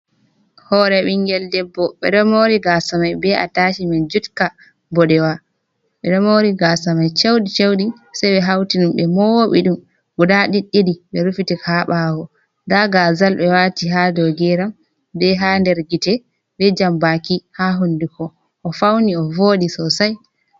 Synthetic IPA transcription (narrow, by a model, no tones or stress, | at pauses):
hɔɾɛɓiŋɡɛldɛbːɔɓɛɗɔmoɾiɡasamajbɛa̰taʃimɛnd͡ʒutka | bɔɗɛwa | ɓɛɗɔmoɾiɡasamajt͡ʃewɗit͡ʃewɗi | sajɓɛɦawtiɗumɓɛmɔwoɓḭɗum | ɡudaɗiɗːiɗiɓɛɾufitikʰaɓawɔ | ndaɡazalɓɛwatiɦadɔɡɛɾam | bɛɦandɛɾɡitɛ | ɓɛd͡ʒambakihaɦundikɔ | ʔɔfawniɔvoɗisɔsaj